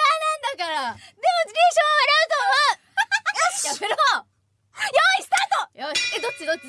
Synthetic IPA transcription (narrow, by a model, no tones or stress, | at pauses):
anãnd̪akaɾad̪emod͡ʑiɾʲeɕõaβaɾaɯt̪oa | aeɾo | joisɨ̥t̪at̪ojoied̪ot͡ɕːid̪ot͡ɕːi